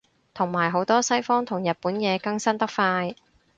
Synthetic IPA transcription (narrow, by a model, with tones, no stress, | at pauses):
t̪ʰʊ˨˩ŋmaː˨˩jɦo˨˥wt̪ɔː˥sɐ˥jfɔː˥ŋt̪ʰʊ˨˩ŋjɐ˨t̚puː˨˥njɛː˨˧kɐ˧ŋsɐ˥nt̪ɐ˥k̚faː˧j